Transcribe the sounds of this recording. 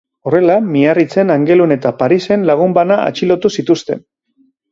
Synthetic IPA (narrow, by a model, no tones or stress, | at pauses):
o̞re̞lamiarit͡se̞naŋɡe̞lune̞t̪apaɾise̞nlaɣ̞umbanaa̰t͡ʃilo̞t̪usit̪ust̪e̞n